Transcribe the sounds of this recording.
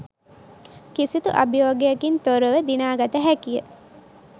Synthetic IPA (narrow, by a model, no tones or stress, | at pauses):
kisit̪uʔabijoːɡeakint̪oɾəʋəd̪inaːɡat̪əɦækijə